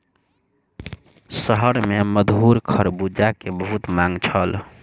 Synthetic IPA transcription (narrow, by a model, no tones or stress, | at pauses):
səɦəɾmeməd̪ʱɦuɾkʰəɾbud͡ʒakebəɦut̪mãŋɡt͡ʃʰəl